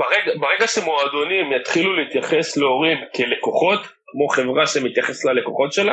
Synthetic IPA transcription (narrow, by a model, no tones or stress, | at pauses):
baʁeɡabaʁeɡaʃemoad̪o̞nimjat̪χilulehit̪jaχe̞sleo̞ʁimkele̞ko̞χo̞t̪ | kmoχe̞vʁaʃemit̪jaχe̞slale̞koχo̞tʃe̞la